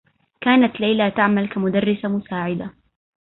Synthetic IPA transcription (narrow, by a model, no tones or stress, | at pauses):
kaːnat̪lajlat̪aʕmalkamʊd̪arːɪsamʊsaːʕɪd̪a